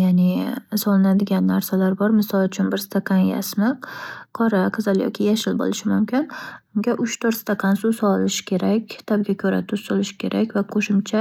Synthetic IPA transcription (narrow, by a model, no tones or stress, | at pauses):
janɪsɒlˠɪnad̪ɪɡʲanːaɾsalaɾbɒɾmɪsɒlˠʊt͡ʃʰʊnbɪɾst̪ʰaqʰɑnja̰smɪqqʰɒɾaqʰɨzalˠjɒ̰kʲʰɪjaʃɪlbo̰lɪʃɪmʊmkʲɪnʊŋɡʲaʔʊʃt̪ʰoɾst̪ʰaqʰɑnsʊsɒlɪʃɪ̥kʲʰe̞ɾakʲt̪ʰab̚ɡʲakʲʰɵɾa̰t̪ʰʊsʊlˠɪʃɪ̥kʲʰe̞ɾʔakʲvaqʰoʃɪmt͡ʃʰa